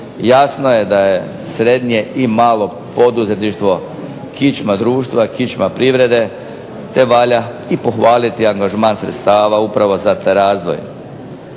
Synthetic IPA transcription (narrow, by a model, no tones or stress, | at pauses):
jasno̞je̞d̪aje̞ | sɾe̞d̪ɲije̞ʔimaːlo̞ | po̞d̪uze̞t̪niʃt̪ʋo̞ | kit͡ʃmad̪ɾuːʃt̪ʋakit͡ʃmapɾiʋɾe̞d̪e̞ | t̪e̞ʋaːʎa | ipo̞xʋaːlit̪iaŋɡaʒmaːnsɾḛt̪st̪aːʋaupɾaʋo̞zat̪aɾaːzʋo̞̰j